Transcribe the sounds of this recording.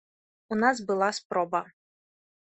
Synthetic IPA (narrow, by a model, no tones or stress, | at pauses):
unaz̬bɨlˠaspɾɔbɐ